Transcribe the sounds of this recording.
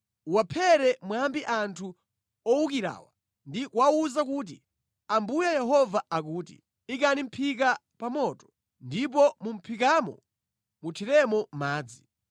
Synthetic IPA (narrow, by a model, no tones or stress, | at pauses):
wapʰɛɾɛmwambiʔantʰu | ɔukiɾa̰ːwa | ndikwauzakuːt̬i | ambujajɛɦɔvaakuːtḭ | ikanim̩pʰik̬a | pamɔːtɔ̥ | ndip̬ɔmum̩pʰikamɔ̰ | mutʰiɾɛmɔmaːd͡zi